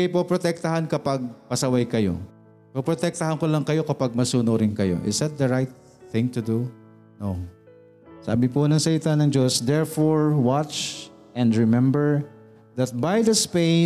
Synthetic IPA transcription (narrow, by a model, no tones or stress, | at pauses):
ɐjpopɾot̪ɛk̚t̪ɐɦankɐpaɡ̚pɐsɐwajkɐjo̞̰ | popɾot̪ɛk̚t̪ɐhɐnkolɐŋkɐjo̞kɐpaɡ̚mɐsuːnoɾɪnkɐjo̞̰ʔɪ̰sd̪ɐt̪̚d̪ɐɹajt̪̚ | θɪ̃ŋt̪ʊd̪u | no | sa̰ːbɪponɐŋsɐlɪt̪anɐŋd͡ʒo̞sd̪ɛɹfoɹwat͡ʃ | ʔɛ̃nd̪ɹɛmɛmbɛɹ | ðɐt̪̚bajd̪ɐspe